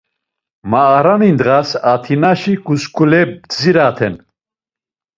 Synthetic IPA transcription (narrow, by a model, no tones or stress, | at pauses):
maːɾanind̪ʁasat̪ʰinaʃikuskʰʼulɛb̚d͡ziɾat̪ʰɛ̰n